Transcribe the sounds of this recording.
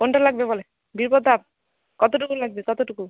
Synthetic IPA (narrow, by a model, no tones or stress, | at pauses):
konʈalaɡ̚bebɔle | biɾpɔd̪ʱab̚ | kɔt̪oʈ̬ukulaɡbekɔt̪oʈuku